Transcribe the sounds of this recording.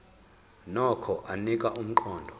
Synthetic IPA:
nɔkʰɔʔanikʼaum̩ǃɔːndʱɔ

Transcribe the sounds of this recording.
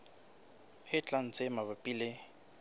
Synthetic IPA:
ɪt͡ɬʼan̩t͡sʼɪmabapʼile

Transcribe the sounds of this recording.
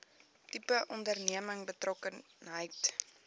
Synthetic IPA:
tipəʔɔndərniəməŋbətrɔkən | ɦəjt

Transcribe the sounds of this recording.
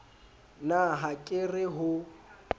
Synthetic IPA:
naɦakʼɪrɪɦʊ

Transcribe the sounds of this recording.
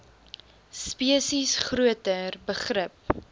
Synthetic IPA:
spiəsisχruətərbəχrəp̚

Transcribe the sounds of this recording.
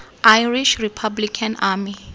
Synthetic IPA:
ʔajriʃripʰablikʰanami

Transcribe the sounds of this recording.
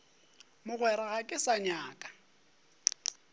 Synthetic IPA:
mʊɣwɛɾaɣakʼɪsaɲaːkʼḁ

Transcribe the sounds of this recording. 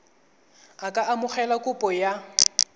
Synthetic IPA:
akʼaʔamʊχɛlakʼʊpʼɔja

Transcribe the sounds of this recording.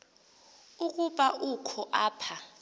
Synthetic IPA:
uk̬ʼuɓaʔukʰɔʔaːpʰa

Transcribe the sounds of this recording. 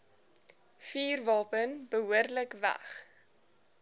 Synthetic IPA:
fiːrvɑːpənbəɦuərdləkvæ̰χ

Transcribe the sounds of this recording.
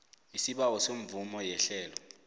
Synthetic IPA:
isiɓawɔsoɱ̩vumɔjɛɬɛːlɔ

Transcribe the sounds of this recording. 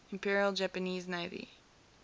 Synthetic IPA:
ɨ̃mpʰɪɹiəlˠd͡ʒæpɨniznaɪðḭ

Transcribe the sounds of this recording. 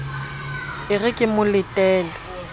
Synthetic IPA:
ɪrɪkʼɪmʊlɪtʼɛːlɛ

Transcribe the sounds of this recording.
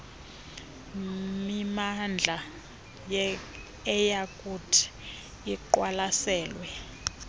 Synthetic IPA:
mimand͡ɮʱa | j | ɛjakʼutʰi̥ | iǃwalasɛːlwɛ

